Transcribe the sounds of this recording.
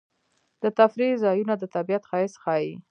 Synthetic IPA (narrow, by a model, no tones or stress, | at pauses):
d̪ət̪afɾizɑjunad̪ət̪abijat̪xɑɪsxɑji